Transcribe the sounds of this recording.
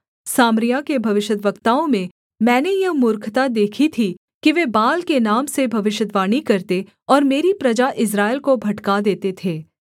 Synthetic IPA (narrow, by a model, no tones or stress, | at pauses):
saːmɾɪjakebʱɐʋɪʃəd̪ʋəkt̪aːõmẽ | mɛ̃ːnejɐmʊɾkʰt̪ad̪eːkʰit̪ʰi | kiʋeːbaːlkenaːmsebʱɐʋɪʃəd̪ʋaːɽ̃ikɐɾt̪e | ɔːɾmeːɾipɾɐd͡ʒaʔɪs̬ɾaːɪlkobʱɐʈkad̪eːt̪et̪ʰeː